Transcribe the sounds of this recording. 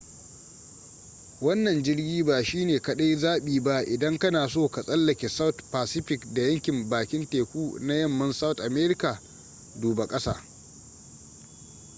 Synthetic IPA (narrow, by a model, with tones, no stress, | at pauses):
wɐ˦nːɐ˨nd͡ʒɪ˦ɽɡʲiː˦baː˨ʃiː˦neː˨kɐ˨ɗa˦jzaː˦ɓiː˨ba˦ʔɪ˨dɐ˦ŋkɐ˦naː˨soː˦˨ka˨sʼɐ˦lːɐ˨kʲe˨sa˦wtpaː˨sɪ˦ɸɪ˨kda˨jɐ˦ŋkʲɪ˨mbaː˨kʲɪ˦nteː˨kʷuː˦na˦jɐ˦˨mːɐ˦nsa˦wtʔa˨meː˦ɾɪ˦ka˨ | duː˨ba˨kʼɐ˦sa̰ː˦˨